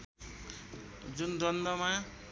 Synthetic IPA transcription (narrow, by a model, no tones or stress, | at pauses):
d͡zund̪ʌnd̪ʌma